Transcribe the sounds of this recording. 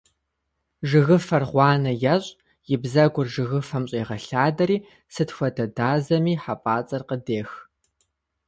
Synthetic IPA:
ʒɨɣɨfɐrʁʷɑːnɐjɐɕʼ | jɪbzɐɡʷʊrʒɨɣɨfɐmɕʼeːʁɐɬaːdɐɾiː | sɨtxʷɔdɐdaːzɐmiːħapʼaːt͡sʼɐrqədeːx

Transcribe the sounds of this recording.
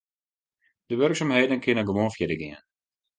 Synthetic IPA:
d̥əʋørksamɦeːdənkɪnənɡəʋoːnfjɛdəɡɪən

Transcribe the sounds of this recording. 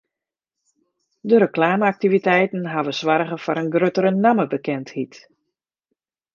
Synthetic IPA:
dəɾəklaːməak̚tivitɛjtn̩ɦaʋəswaɾɣəfɔɾənɡrøtəɾənaməbəkɛnthit

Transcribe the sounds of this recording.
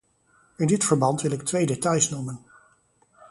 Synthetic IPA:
ɪndɪtfəɹbɑntʋɪlɪk̚tʋejdetɑjsnumən

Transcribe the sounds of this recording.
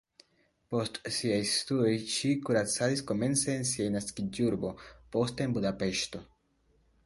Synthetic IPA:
po̞stsiajstuo̞jʃikuɾat͡sadisko̞me̞nt͡se̞ːnsiajnaskid͡ʒuɾbo̞po̞steːnbudape̞ʃto̞

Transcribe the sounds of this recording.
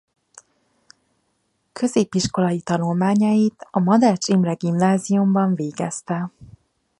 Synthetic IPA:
kʰø̞zeːpiʃko̞lɒjit̪ɒnulmaːɲɒjit̪ɒmɒd̪ɛrt͡ʃimrɛɡimnaːzijumbɒɱveːɡɛst̪ɛ

